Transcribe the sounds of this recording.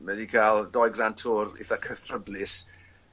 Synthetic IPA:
mədikʰalˠdɔjɡrantʰʊɾɪ̰θakʰəθrəblɪs

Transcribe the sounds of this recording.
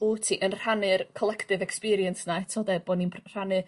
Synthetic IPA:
utʰiʔənr̥anɨrkʰɔlˠɛktɪvɛkspiɾiənsnaɛtʰɔːdɛboːninpʰr̥anɨ

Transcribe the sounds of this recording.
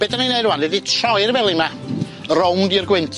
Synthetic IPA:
b̥edaninejduwanɛditʰrɔɨrvɛlˠima | rowndirɡwɛntʰ

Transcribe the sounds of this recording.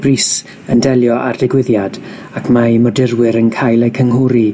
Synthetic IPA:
b̥riːs | əndɛlˠjɔʔa̰rdɪɡwɪðjad | akʰmajmɔdɪrwɪɾənkʰajlˠejkʰəŋɦʊɾi

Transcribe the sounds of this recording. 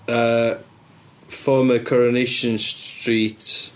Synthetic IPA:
ə | fɔːməkʰɔɹənɪʃə̃nstɹiːˑt

